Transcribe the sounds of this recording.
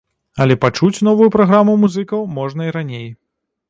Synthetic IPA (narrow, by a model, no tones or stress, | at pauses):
ɐlʲɛpat͡ʂut͡sʲn̪ɔvujupɾaɣɾamumuzɨkɐwmɔʐnɐiɾanʲej